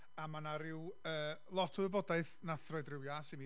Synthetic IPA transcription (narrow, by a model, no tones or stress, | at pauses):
amanaɾɪwəːlˠɔtʰɔwɛbɔdaɨθnaθrɔjdrɪwjasɪmi